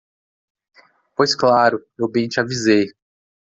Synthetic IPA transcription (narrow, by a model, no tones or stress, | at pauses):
pojsklaɾʊewbẽj̃t͡ʃɪavizej